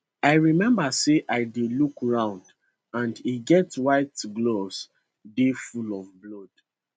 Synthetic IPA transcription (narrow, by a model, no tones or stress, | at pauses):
aɪɹimɛ̃mbəseʔaɪdelukɹãʊ̃nd | ãndiɡɛtwaɪtɡlos | defulɔvblɔd̥